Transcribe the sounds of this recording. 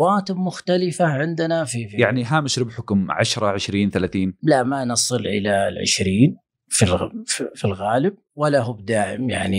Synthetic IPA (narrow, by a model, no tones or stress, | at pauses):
waːt̪ɪmʊxt̪alɪfaʕɪnd̪ɪnafijaʕniɦaːmɪʃɾɪbħʊkʊmʕaʃɾˤɑʕɪʃɾiːnθalaːθiːnlaʔmanɑsˤɨlʔɪ̰lalʕɪ̰ʃɾiːn | filfilɣaːlɪb̚walːaɦʊːbd̪aːʕɪ̰mja̰ʕni